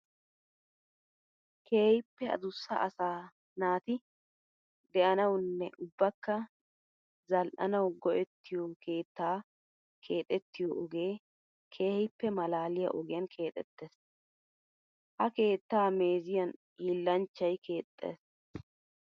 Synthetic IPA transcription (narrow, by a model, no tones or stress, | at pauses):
kʰe̞ːhɪpːɛɐ̰d̪ʊsːɐ̰ɐsaː | naːt̪ɪ | d̪ɛʔɐnɐwnːɛʔʊbːɐkːɐ | zɐlʔɐnɐwɡɔʔɛt̪ːɪjokʰe̞ːt̪ːaː | kʰe̞ːt̪ʼɛt̪ːɪjɔʔɔɡe̞ː | kʰe̞ːhɪpːɛmɐlaːlɪjɐ̰ʔɔɡɪjɐnkʰe̞ːt̪ʼɛ̰t̪ːeːs | hɐke̞ːt̪ːaːme̞ːzɪjɐn | hiːlːɐnt͡ʃːɐjkʰe̞ːt̪ʼːḛːs